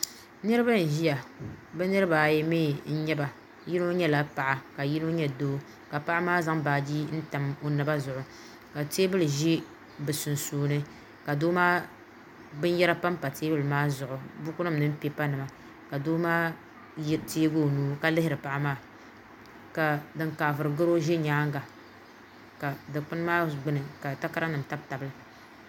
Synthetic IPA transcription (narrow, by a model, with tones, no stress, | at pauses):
nɨ˦ɾɨ˦ba˦n̩˨ʒi˦ja˨bɛ˦nɨ˦ɾɨ˦baː˨jɛ˦meː˦˨n̩˦ɲɛ˦ba˨ | ji˦no˦ɲɛ˦la˦pa˨ʔa˨ka˨ji˦no˦ɲɛ˦doː˦ | ka˨pa˦ʔa˦maː˦za˦ŋbaː˨d͡ʒi˦n̩˦ta˨mo˦nɨ˦ba˦zʊ˨ʔʊ˨ | ka˨teː˦bɨ˦lɨ˨ʒi˦ | bɨ˨sʊ˨n˨suː˨˦nɨ˦ | ka˨doː˦maː˦ | bɨ˦n˦jɛ˦ɾa˦pa˦m˦pa˨teː˦bɨ˦lɨ˨maː˦zʊ˨ʔʊ˨bʊ˦kʊ˦nɨ˦mnɨ˦m˦pe˦pa˦nɨ˨ma˨ | ka˨doː˦maː˦ | te˦ɡo˦˨nuː˦ka˦lɪ˦hɪ˦ɾɨ˨pa˦ʔa˦maː˦˨ | ka˨dɨ˦ŋka˨vɨ˨ɾɨ˨ɡɨ˦ɾo˦ʒe˦ɲaː˦ŋ˦ɡa˨ | ka˨dɨ˨k͡pɨ˦n˦maː˦ɡ͡bɨ˦nɨ˨ka˨ta˦ka˦ɾa˦nɨ˨m˨ta˦b̚ta˨bɨ˦lɨ˨